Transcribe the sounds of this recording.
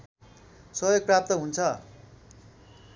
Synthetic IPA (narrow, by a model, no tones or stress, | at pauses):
sʌjoɡ̚prap̚t̪ʌɦunt͡sʰʌ